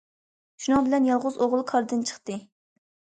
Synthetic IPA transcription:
ʃunɑŋbɪlɛnjɑlˠʁʊzoʁlˠkʰɑɾd̪ɨnt͡ʃʰə̥χt̪ɨ

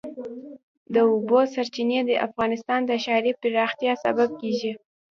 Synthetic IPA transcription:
d̪əʊbosaɾt͡ʃined̪əʔa̰fɣɑnɪst̪ɑnd̪əʃɑɾipɪɾɑxt̪jɑsa̰bab̚keʒi

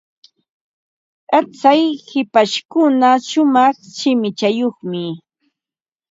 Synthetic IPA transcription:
at͡sajhɪpaʃkʊnaʃʊmɑχʃɪmɪt͡ʃajoχmɪ

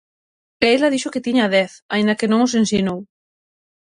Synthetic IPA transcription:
elɐðiʃokɪt̪iɲaaðɛθaind̪ɐkenõŋos̬ẽnsinow

